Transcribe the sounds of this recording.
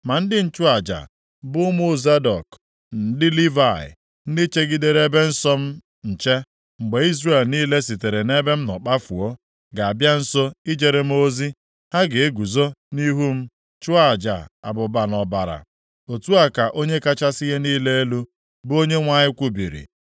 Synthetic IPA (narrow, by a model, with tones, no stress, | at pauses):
ma˨n̩˦dɪ˦n̩˦t͡ʃʊ˦a˨d͡ʒa̰˨ | bʊ˦mu˦˨za˦dɔ˨k | n̩˨dɪ˦li˦va˨ɪ̰˨ | n̩˦dɪ˦t͡ʃe˦ɡi˦de˨ɾe˦be˦n̩˦sɔ˦m̩˦ | n̩˨t͡ʃe˦ | ŋ͡m̩˨ɡ͡be˨i˦zre˦˨lniː˦le˦si˨te˨ɾe˨ne˦be˦m̩˦nɔ̰˨k͡pa˦fṵ˨o˦ | ɡa˨a˨bja˦n̩˦so˦i˦d͡ʒe˨ɾe˦m̩˦o˦zi˦ | ha˦ɡe˨e˦ɡu˨zo˦ni˦ɦu˦m̩˦ | t͡ʃʊ˦a˦˨d͡ʒa̰˨a̰˨bʊ˨ba˨nɔ˨ba˨ɾa̰˨ | o˨tu˦a˨ka˨ʔo˦ɲe˦ka˦t͡ʃa˦si˦ɦe˦niː˦le˦e˦lu˦ | bo˦ɲe˦ŋʷa˨ɲɪ˦kʷu˦bḭ˨ɾḭ˨